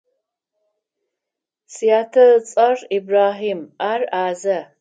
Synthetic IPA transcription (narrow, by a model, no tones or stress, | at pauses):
sijaːtʰɐt͡sʼɐribraːɦiːmaːraːzɐ